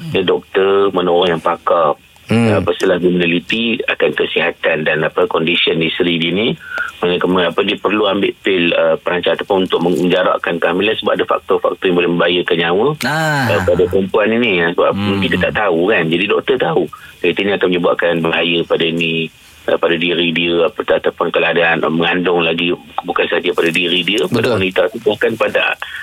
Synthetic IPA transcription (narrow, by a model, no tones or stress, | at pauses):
jadɔk̚t̪ərmənɔɾɔŋjaŋpakap̚ː | pəsəlahɡiminalit̪ia̰kant̪ərsiɦat̪andanapəkɔndisiəndisɾidinimanəkəməapədipərluambɪʔpɪləpəɾaɲt͡ʃaat̪apʊnunt̪ʊʔ̚məəɲd͡ʒaɾa̰ʔkankamilasəbapʔadafa̰k̚t̪ɔfa̰k̚t̪ɔjaŋbolɛhmə̃mbajəkanɲawəəpadapəɾəmpuaniniasəbap̚muk̪it̪ət̪a̰ʔt̪aukand͡ʒadidɔk̚t̪ərt̪aukəɾit̪əniakanməɲəbua̰ʔkanbəɦajəpadaini | əpadadiəɾidiəapəat̪apʊnkəlaadaanməŋandʊŋlaɡi | bukansaad͡ʒəpadadiɾidiəpadawanit̪at̪upukanpada̰